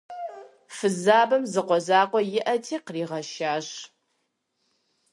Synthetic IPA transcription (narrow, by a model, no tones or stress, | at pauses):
fɨzaːbɐmzɨqʷɔzaːqʷɔjɪʔɐtʰiːqriːʁɐʃaːɕ